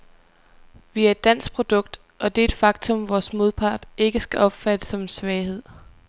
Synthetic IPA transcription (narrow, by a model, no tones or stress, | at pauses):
ʋiæɐe̝d̥ːæn̰sɡ̥̚pʰʁo̝d̥ɔ̽ɡ̥̚d̥ | ʔɒ̽d̥e̝e̝d̥fɑ̈ɡ̥t͡sʰɔ̽mʋɒːsmo̝ð̞ˠpʰɑ̈ːd̥e̝ɡ̥əsɡ̥æʔɒ̽b̥fæd̥əsɒ̽msʋɛːɪhe̝ð̞̰ˠ